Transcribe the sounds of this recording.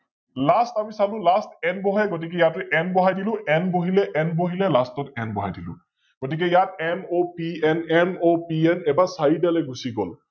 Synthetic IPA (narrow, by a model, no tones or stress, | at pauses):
lastamisalʊ̃lastɛnbɔɦajɡot̬ik̬ɛjatʊʔɛnbɔɦajdilʊ̃ʔɛnboɦilɛʔɛnboɦilɛlastɔtɛnbɔɦajdilʊ̰̃ | ɡ̥otik̬ɛjatɛmopiɛnɛmopiɛnɛbasaidalɛɡusiɡɔ̰l